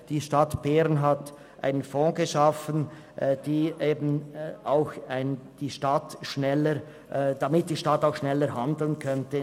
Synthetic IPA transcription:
d̥iːʃtatb̥ɛɾnɦat | ʔa̰ɪnənfɔ̃ːɡəʃafən | ʔd̥iːʔeːbn̩aʊxaɪnd̥iːʃtatʃnɛləɾ | ʔd̥amɪt̚d̥iːʃtatːaʊxʃnɛləɾhandl̩nkʰœntə

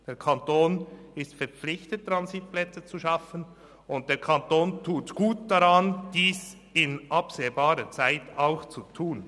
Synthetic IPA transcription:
d̥eːɾkʰantoːnɪstfɛɐɾp͡flɪçtət̚dɾanzit̚plɛt͡sət͡suʃɑfən | ʊnt̚d̥eːɾkʰantoːntʰuːtɡ̥uːt̚d̥aɾɑnd̥iːs | ɪnʔɑpseːbaːɾət͡saɪtaʊxt͡sutʰuːn

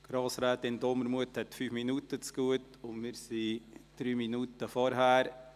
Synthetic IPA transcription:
ɡ̥ɾɑːsɾɛːtɪndɔməɾmuəthɛtfyːfminutət͡sɡ̥uət | ʊnmɪɾsid̥ɾyːminutəfɔɾɦæːɾ

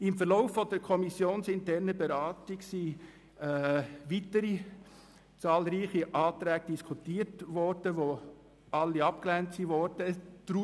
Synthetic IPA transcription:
ɪmfəɾlɔʊfːɔd̥̪əɾkʰɔmisːjoːnsɪntɛɾnəbɛɾɑːtiɡsi | ʋitəɾi | t͡sɑːlɾiːχiʔɑːt̪ɾæːɡ̥əd̥iskʰutiːətʋɔɾd̥əʋo | ɑlːiɑpklæntsiʋɔɾd̥əd̥ɾu

